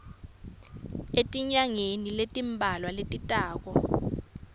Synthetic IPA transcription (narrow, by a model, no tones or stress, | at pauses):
etʼiɲaŋeniletʼimbʱalwaletʼitʼaːk̬ɔ